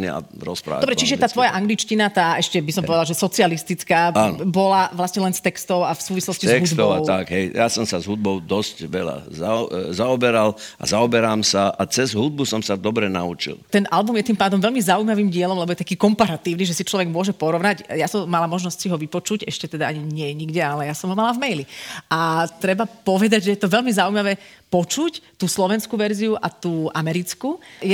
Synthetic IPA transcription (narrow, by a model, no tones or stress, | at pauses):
nḭa̰ | ɾɔspɾa̰ːd̪ɔbɾɛt͡ʃiʒɛt̪aːt̪ʋɔjaʔaŋɡlit͡ʃcinat̪aːɛʃcɛbisɔmpɔʋɛd̪alʒɛsɔt͡sialist̪it͡skaːanbɔlaʋlasɲɛlɛnst̪ɛkst̪ɔʊafsuːʋislɔscizɛɦusd̪t̪ɔʊat̪akɦɛjjasɔmsazɦud̪̚bɔʊd̪ɔscʋɛla̰zazaɔbɛɾala̰zaɔbɛɾaːmsaʔat͡sɛzɦud̪̚busɔmsad̪ɔbɾɛna̰ut͡ʃḭlt̪ɛnʔalbumjɛt̪impaːd̪ɔmʋɛlmizaujmaʋiːmɟɪɛlɔmlɛbɔjɛt̪akiːkɔmpaɾat̪iːʊniʒɛsit͡ʃlɔʋɛɡmʊɔʒɛpɔɾɔʋnaɟjasɔmːalamɔʒnɔscʲsiɦɔʋipɔt͡ʃuɟɛʃcɛt̪ɛd̪aaɲiɲɪɛɲiɡɟɛalɛjasɔmɦɔmalavmɛjliʔat̪ɾɛbapɔʋɛd̪aɟʒɛjɛt̪ɔʋɛlmizaujmaʋɛpɔt͡ʃuct̪uslɔʋɛnskuʋɛɾziuʔat̪uːʔamɛɾit͡skujɛ